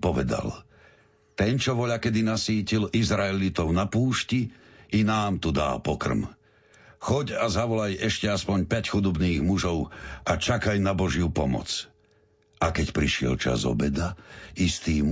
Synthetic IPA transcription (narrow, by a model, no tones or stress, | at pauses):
pɔʋɛd̪a̰l | t̪ɛnt͡ʃɔʋɔʎakɛd̪inasiːcilizɾaɛlit̪ɔʊnapuːʃciinaːmt̪ud̪a̰ːlpɔkr̩m | xɔɟazaʋɔlajɛʃcɛaspɔɲpɛcxud̪ɔbniːɣmuʒɔʊat͡ʃakajnabɔʒɪjupɔmɔ̰t͡s | ʔakɛcpɾiʃɪɛ̰lt͡ʃa̰zɔ̰bɛd̪aist̪iːm